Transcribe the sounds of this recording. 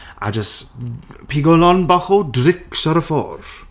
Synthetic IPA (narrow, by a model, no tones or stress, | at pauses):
a̰d͡ʒəs | pʰiɡɔlɔnbɔχudrɪksɔɾəfo̰ːɾ